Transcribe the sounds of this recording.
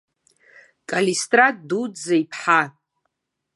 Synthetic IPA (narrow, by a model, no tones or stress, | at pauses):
kʼalistʼrat̚ʼdudaipʰħa